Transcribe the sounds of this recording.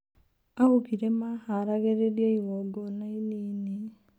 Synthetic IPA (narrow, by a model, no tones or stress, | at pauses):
ahukiɾemahaɾaɣeɾeɾjeiwɔɡɔnainiːne